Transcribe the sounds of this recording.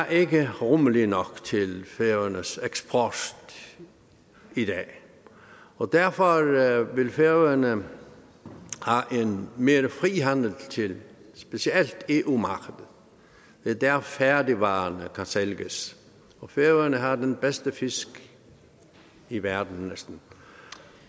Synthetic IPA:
æʔe̝ɡ̥əʁɔməlinɒɡ̥t͡sʰe̝lfeənəseɡ̥spʰɔsd̥ | id̥ɛ̰ː | ɒd̥æɐfɒɾʋelfeʋənə | hɑʔenmeːɾəfʁiːɦænl̩t͡sʰe̝lsb̥esield̥e̝ːʔumɑ̈ɡ̥əd̥ð̩ˠ | d̥ed̥æɐfæɐdiʋɑ̰̈ːnəkʰænselɡ̥əs | ɒfeʋənəɦɑdenb̥esd̥əfɪsɡ̥ | iʋæɐd̥n̩nesd̥n̩

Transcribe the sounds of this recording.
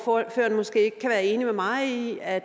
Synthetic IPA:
føɐnmɒ̽sɡ̥e̝̰ːeɡ̥̚kʰæʋæːɐe̝ːnimemɑ̈ɪiæ̥

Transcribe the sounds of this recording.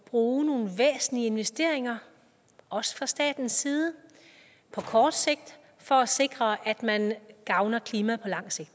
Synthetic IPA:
b̥ʁuːno̝ːn̩ʋḛːsn̩lie̝nʋesd̥e̝̰ɐ̰eŋɐ | ɒ̽sə̥fʁɑ̈sd̥ɛ̰ːd̥n̩sːiːð̞ˠə | pʰɒ̽kʰɒːd̥se̝ɡ̥̚d̥ | fɒ̽æse̝ɡ̥ʁɐʔæd̥mænɡ̥ɑ̈ʊnɐkʰliːmæpʰɒ̽lɑ̈ŋ̰se̝ɡ̥̚d̥

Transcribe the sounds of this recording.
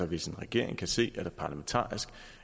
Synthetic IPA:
ɒ̽ʋe̝se̝nʁɛɡ̥e̝ɐ̰e̝ŋkʰæse̝̰ːæd̥æɐpʰɑ̈ːlæment͡sʰɑ̰̈ːisɡ̥

